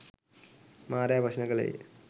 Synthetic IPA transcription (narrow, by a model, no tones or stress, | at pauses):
maːɾjaːbʱɐɕnɐɣɐɭḛ